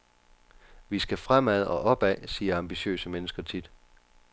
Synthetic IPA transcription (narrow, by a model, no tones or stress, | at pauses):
ʋisɡ̥æfʁam̰æð̞̰ˠɒ̽ʔɒ̽b̥ɛsiːɐɑ̈mb̥iɕø̰ːsəmenəsɡ̥ɐt͡sʰid̥